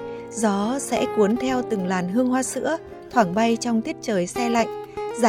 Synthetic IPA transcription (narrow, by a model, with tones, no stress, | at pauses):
zɔ˨˦sɛ̰˧˥ku˨˦ənt̪ʰɛ˧wt̪ɨ˨˩ŋlaː˨˩nɦɨ˧əŋhwaː˧sɨ̰˧˥ə | t̪ʰwaː˧˩ŋɓa˧jt͡ɕɔ˧wŋ͡mt̪ʰi˦˥ət̚t͡ɕəː˨˩jsa˧jla̰˧˨jŋ̟zaː˨